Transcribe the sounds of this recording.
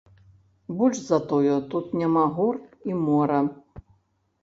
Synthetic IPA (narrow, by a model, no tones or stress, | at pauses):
bɔlʲʂzɐt̪ɔjɔt̪ut̪nʲamaɣurimɔɾɐ